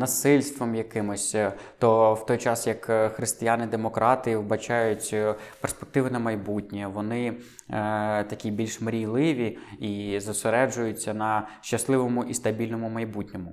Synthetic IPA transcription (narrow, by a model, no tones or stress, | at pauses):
nɐsɪlʲst̪ʋɔmjɐkɪmɔsʲt̪ɔwt̪ɔjt͡ʃɑsjɐkxɾɪst̪ɪjanɪd̪emɔkɾʔɑt̪ɨjiʋbɐt͡ʃɑjʊtʲperspek̚t̪ɪʋɪnɐmɐjbutʲnʲiʋɔnɪ | t̪ɐkʲibʲilʲʃmɾʲijlˠɪʋʲiizɐseɾɛd͡ʒʊjʊt͡sʲːɐnɐʃt͡ʃɐslˠɪʋɔmʊʔist̪ɐbʲilʲnɔmʊmɐjbutʲnʲɔmʊ